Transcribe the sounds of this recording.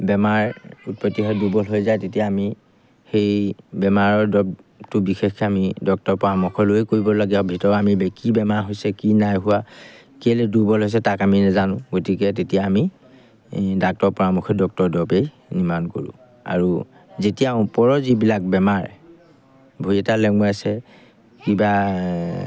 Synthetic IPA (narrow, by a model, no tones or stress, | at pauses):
bɛmaɹut̚pɔtːiɦɔdubɔlɦojzajtetijaːmi | xejbɛmaɹɔɹdɔp | tʊbixexɛamidɔk̚tɔɹpɔɹamukʰɔloekoɹibɔloɡiabʱitɔɹamibɛkibɛmaɹɦojsɛkinajɦʊwa | kiɛledubɔlɦojs̬ɛtakaminazanʊ̃ɡotikɛt̬etijaːmi | dak̚tɔɹpɔɹamuxʰɔdɔk̚tɔɹdɔpej | nimanko̰ɹʊ̰̃ | a̰ɹu | zetijãpɔɹɔzibilak̚bɛmaɹ | bʱojɛtalɛŋuasɛ | kiba